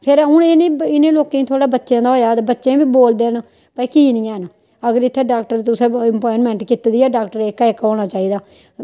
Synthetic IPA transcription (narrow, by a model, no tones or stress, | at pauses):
pʰɪɾɦʊɳneːɪnẽːloːkẽːĩːt̪ʰoːɽaːbətːʃjãːd̪aːoːjaːd̪bətːʃẽːbiːboːld̪eːn | pəkiːnĩːɛːɦən | əɡəɾɪt̪ʰːeːɖaːkʈəɾt̪ʊsẽːɛmpɔːɪnmɛ̃ːɳʈkɪt̪d̪iɛːɖaːkʈəɾɪkːɪkɦoːɽ̃aːt͡ʃaːiːd̪aː